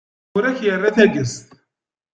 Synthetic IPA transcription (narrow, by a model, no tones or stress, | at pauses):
ʊɾæçjərˤːaθæɡəst̪